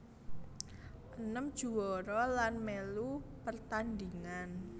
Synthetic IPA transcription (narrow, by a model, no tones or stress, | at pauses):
ʔənəmd̥ʒ̥uwɔɾɔlanmelupərt̪and̪iŋan